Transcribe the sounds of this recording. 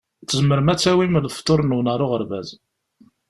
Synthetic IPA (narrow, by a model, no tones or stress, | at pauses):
t͡sːəzməɾmæt͡sːæwiməɾðft̪ˤːoɾˤnuwnəɾˤoʁəɾvæ̰z